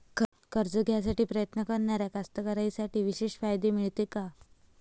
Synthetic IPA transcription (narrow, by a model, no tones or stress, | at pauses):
k | kəɾd͡zəɡʱjas̬aʈiːpɾəjət̪nəkəɾɳaɾjakast̪əkəɾaisaʈiːʋiɕeɕfajd̪emiɭt̪eka